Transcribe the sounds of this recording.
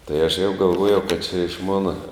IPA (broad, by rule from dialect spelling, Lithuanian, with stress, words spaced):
tɐɪ ɐʃ jɛʊ ɡɐlˠˈʋuɔjɛʊ kɐt t͡ʃʲɛ ɪʃ ˈmoːnɐ